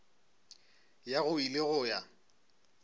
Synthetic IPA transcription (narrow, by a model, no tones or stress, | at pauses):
jaɣʊilɪɣʊja